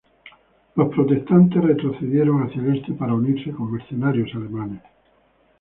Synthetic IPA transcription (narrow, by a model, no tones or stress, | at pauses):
lo̞spɾot̪e̞st̪ant̪e̞sret̪ɾoθeðjeɾoŋaθjale̞st̪epaɾauniɾseko̞mːeɾθonaɾjosalemãnes